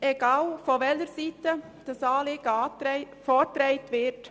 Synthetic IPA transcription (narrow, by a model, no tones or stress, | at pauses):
eɡɑːlfɔʋɛləɾsiːtə | d̥əsɑːleːɡ̥əɑtɪ | fɔːtɾɛɪtʋɪt